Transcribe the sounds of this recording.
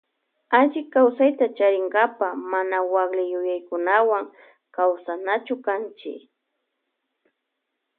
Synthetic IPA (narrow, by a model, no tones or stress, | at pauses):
aʒɪkawsajt̪at͡ʃaɾɪŋɡapamanawaɡlɪjʊjajkʊnawaŋ | kawsanat͡ʃʊkant͡ʃɪ̰